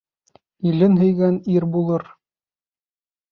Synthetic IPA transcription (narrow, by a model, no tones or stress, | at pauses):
ilɘnɦɵ̆jɡæniɾbulˠɤɾ